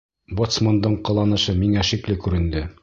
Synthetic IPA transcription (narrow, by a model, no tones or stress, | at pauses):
bot̪smond̪ɤɴqɤ̆lˠɑnɤ̆ʃɤmiŋæʃiklɘkʉɾɘ̆nd̪ɘ